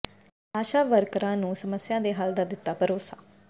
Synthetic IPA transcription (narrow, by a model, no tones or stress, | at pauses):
aːʃaːʋəɾkɾãːnũːsəməsjãːd̪eːɦaːld̪aːd̪ɪt̪ːaːpəɾoːsaː